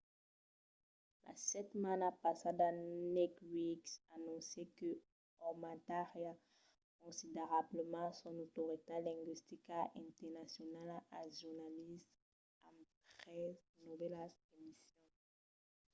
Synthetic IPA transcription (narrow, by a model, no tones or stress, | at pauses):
la̰sɛt̪manapasad̪anɛkwiksanɔ̃sekə | ɔmãt̪aʁja | kɔ̃sideʁabləmɑ̃sɔ̃not̪oʁit̪elɛ̃ŋɡwist̪ikaʔɛ̃nt̪ɛʁnasjɔnalaaʒuʁnalist̪ | ãtʁɛznuvɛlaemisjɔ̃